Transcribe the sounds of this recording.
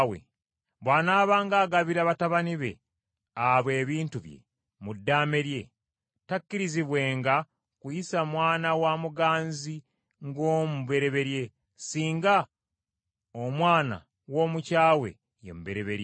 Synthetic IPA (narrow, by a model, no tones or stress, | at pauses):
wḛ | βwaːnaːβaːŋɡaːɡaβiɾaβataβaniβe̞̰ | aβwe̞ːβiːntuβje̞̰ | mudːaːme̞ɾje̞ | takːiɾiziβwe̞ːŋɡa | kujisamwaːnawamuɡaːnzi | ŋɡoːmuβe̞ɾe̞βe̞ɾje̞ | siːŋɡa | omwaːna̰ | wo̞ːmucaːwe̞̰ | jḛmuβe̞ɾe̞βe̞ɾje